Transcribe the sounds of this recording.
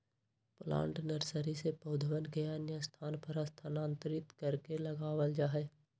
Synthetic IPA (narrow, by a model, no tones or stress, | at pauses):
plã̰ːɳʈnəɾsəɾisepəʊd̪ʱəʋənkɐjaːnjəst̪ʰaːnpəɾast̪ʰənãːnt̪əɾɪt̪kəɾkelɐɡaːʋəld͡ʒaːɦɛː